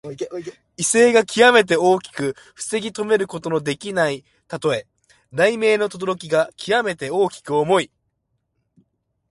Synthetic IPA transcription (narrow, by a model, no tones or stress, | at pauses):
ise̞ːɡakʲʰiβame̞t̪̬e̞o̞ːkʲi̥kɯ̟ | ɸɯ̟̥se̞ɡʲit̪o̞me̞ɾɯ̟ko̞t̪o̞no̞d̪e̞kʲinai | t̪at̪o̞e̞ | ɾaime̞ːno̞t̪o̞d̪o̞ɾo̞kʲiɡakʲʰijame̞t̪e̞o̞ːkʲi̥kɯ̟omo̞i